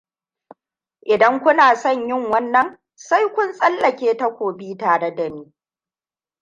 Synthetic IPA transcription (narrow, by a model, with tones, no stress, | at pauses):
ʔɪ˨dɐ˦ŋkʷʊ˦naː˨sɐ˦˨ɲjɪ˦˨ŋwɐ˦nːɐ˨ŋ | sa˦jkʷʊ˦nsʼɐ˦lːɐ˨kʲeː˦ta˦kʷoː˨biː˦taː˨ɽe˦da˨miː˦